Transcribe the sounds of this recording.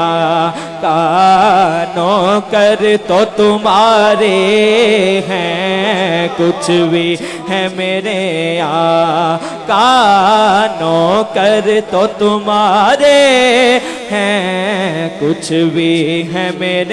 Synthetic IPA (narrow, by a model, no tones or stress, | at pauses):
kaː | nokɐɾt̪ot̪ʊmaːɾe | ɦɛ̃ | kʊt͡ʃʰbʱi | ɦɛ̃meːɾea | ka | nokɐɾt̪ot̪ʊmaːɾe | ɦɛ̃ | kʊt͡ʃʰbʱiɦɛ̃meːɾe